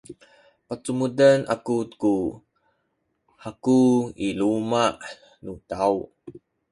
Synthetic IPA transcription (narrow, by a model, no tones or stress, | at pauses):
pət͡sumudəna̰kuku | hakuilumaʔ | nutaw